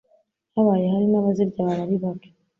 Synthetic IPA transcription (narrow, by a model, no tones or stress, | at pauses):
haβajehaɾinaβaziɾɟaβaβaɾiβake̥